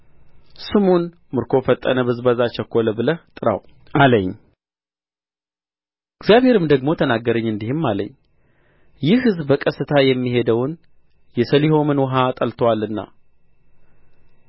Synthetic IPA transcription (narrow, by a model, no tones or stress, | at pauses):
sɨmon | mɨɾkʰo̞fət̪ʼːə̰nəβɨzbəzat͡ʃəkːoləbɨlət̪ʼɨɾa̰w | ʔaləɲː | ɪɡzijaβhe̞ɾɨmd̪əɡmo̞t̪ʰənaɡːəɾəɲːɨnd̪ihɨmːalə̰ɲː | jɪhɨzbbəkʼəsɨt̪ʰajɛmːiɦe̞d̪əwn | jɛsəliɦo̞mɨnwɔɦat̪ʼəlt̪ʰwalːɨnːa̰